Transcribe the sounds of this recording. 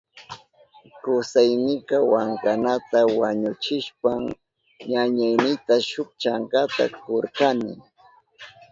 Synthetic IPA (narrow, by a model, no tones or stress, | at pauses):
kʊsajnɪkɑwaŋkanat̪awaɲʊt͡ʃɪʃpaŋ | ɲaɲajnɪt̪aʃʊk̚t͡ʃaŋkat̪a̰koɾkanɪ̰